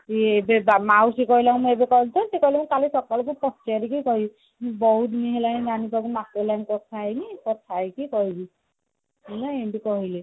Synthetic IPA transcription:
ebebamawsikɔɦilakumuebekɔɦilt̪ʰɔnsekɔɦilemũkalisɔkɔlɔk̬upɔst͡ʃaɾikijkɔɦi | mũbɔɦut̪niɦelaninanipakumateɦelanikɔtʰajnikɔt̪ʰajkikɔɦibi | elaẽʈikɔɦile

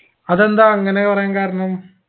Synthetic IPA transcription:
ɐðɐnd̪ãːɐŋɡɐneɐʋɐɾẽːŋkaːɾɐɳɐm

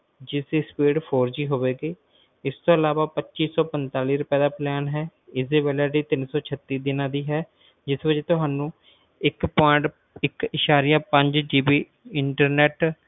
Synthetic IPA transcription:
d͡ʒɪsespeːɖpʰoːɾd͡ʒiːɦoːʋeːɡeː | ɪst̪õːəlaːʋaːpətːʃiːsɔːpənt̪aːliːɾʊpɛːd̪aːplɛːnɦɛːɪsd̪eːbɛːlɛːɾiːt̪ɪnsɔːt͡ʃʰət̪ːiːd̪ɪnãːd̪iːɦɛː | d͡ʒɪsbəd͡ʒeːt̪ʊɦaːnũː | ɪkpɔ̃ʈ | ɪkɪʃaːɾijaːpə̃ɲd͡ʒd͡ʒiːbiː | ɪɳʈəɾnɛːʈ

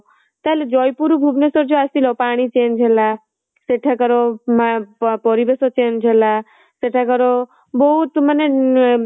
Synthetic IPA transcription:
t̪aled͡ʒɔjpuɾubʱubnesɔɾd͡ʒoasilɔpaɽ̃it͡ʃend͡ʒʱela | seʈʰakəɾomapɔɾibesot͡ʃend͡ʒʱela | seʈʰakəɾo | bɔɦut̪məne

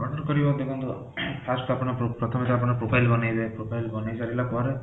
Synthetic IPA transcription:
ɔɽɔɾkɔɾibɔd̪ekʰunt̪u | fask̪uapɔɽ̃ɔpɾɔt̪ʰɔmit̪ɔap̬ɔɽ̃ɔpɾopʰajlbɔnajd̪ajpɾopʰajlbɔnajd͡ʒaɾilapɔɾe

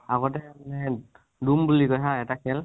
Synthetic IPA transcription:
aɡɔtɛmanɛ | dumbulikɔjtʰaɛtakʰɛl

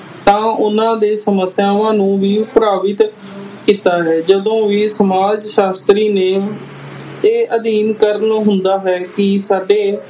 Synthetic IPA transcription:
t̪ãːʔʊnãːd̪eːsəməsjaːʋãːnũːʋiːpɾaːʋɪt̪ | kiːt̪aːɦɛːd͡ʒəd̪õːʋiːsəmaːd͡ʒʃaːst̪ɾiːneː | eːʔəd̪iːnkəɾənɦʊnd̪aːɦɛːkɪsaːɖeː

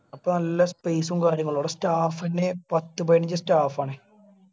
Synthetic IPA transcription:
ɐpːonɐlːɐspeːsumkaːɾjɐŋːɐɭoːɽestaːfɐnːepɐt̪ːɨpeːɳiɲd͡ʑɐstaːfaːɳɨ

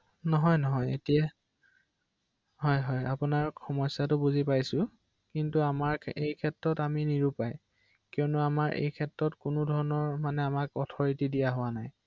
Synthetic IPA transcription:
nɔɦɔjnɔɦɔjetija | ɦɔjɦɔjapʊnaɹxʰɔmɔjsːatʊbuzipajsʊ | kintuamaɹejkʰɛtɹɔtaminiɹupaj | kiɔnʊamaɹʔḛjkʰɛtɹɔtkʊnʊdʱɔɹɔnɔɹmanɛamakɔtʰɔɹitidijaɦʊwanaj

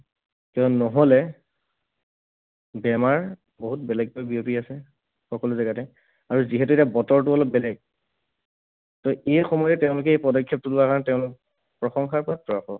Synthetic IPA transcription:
kɔnɔɦɔlɛ | bɛmaɹ | boɦut̚bɛlɛɡ̚ojbiopiasɛ | xɔkɔluzaɡatɛ | aɹuziɦɛtuetabɔtɔɹtuɔlɔp̚bɛlɛɡ̚ | tɔejxɔmɔjɛtɛʊ̃lʊkɛejpɔdɔkʰːjɔp̚tulʊakaɹɔntɛʊ̃lʊk̚ | pɹɔxɔŋxaɹpɔɹatɹɔaxɔ̰

